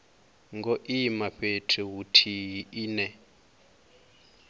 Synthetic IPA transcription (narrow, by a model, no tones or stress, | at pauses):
ŋɡɔʔimaɸetʰɛɦutʰiɦinɛ